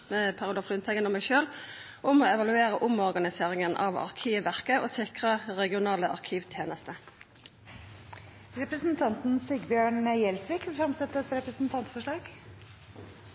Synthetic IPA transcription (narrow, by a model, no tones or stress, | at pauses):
mɛpʰɑʁɪuːd̪ɑfʁʉːnt̪ʰɛɡənɔmɛɪʃøːl | ʔʊmoːɛʋɑlʉeːʁəʔʊmɔʁɡɑnɪseːʁɪŋənʔɑ̰ʋɑ̰ʁkʰiːʋæʁkəʔoːsɪkʁəʁɛɡɪʊnɑːləʔɑ̰ʁkʰiːʋt̪ʰjeːnəst̪ə | ɾɛpɾəsn̩t̪ʰɑnt̪n̩sɪɡbjøːɳjɛlsʋiːkʋɪlfɾɑmsɛt̪ːəɛt̪ɾɛpɾəsn̩t̪ʰɑnt̪fɔʂɭɑːɡ